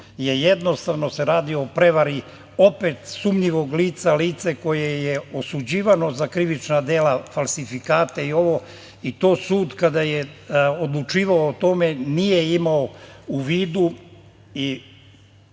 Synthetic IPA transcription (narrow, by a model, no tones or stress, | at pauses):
jejed̪no̞st̪aʋno̞se̞ɾaːd̪ioːpɾe̞ʋaɾi | opet̪sumɲiʋo̞ɡliːt̪saliːt̪seko̞jejeosud͡ʑiːʋano̞zakɾiʋit͡ʃnad̪eːlafalˠsifikaːt̪eio̞ʋo̞ | it̪o̞ːsuːd̪kad̪ajeod̪lˠut͡ʃiːʋaoːt̪o̞me̞nije̞imaouʋiːd̪u | i